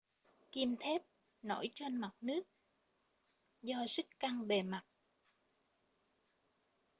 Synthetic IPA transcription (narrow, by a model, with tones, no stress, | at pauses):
ki˧əmt̪ʰe˦˥t̚ | no̰˧˥jt͡ɕe˧nma˨˩t̚nɨ˦˥ək̚ | zɔ˧zɨ˦˥kka˧ŋɓe˨˩ma˨˩t̚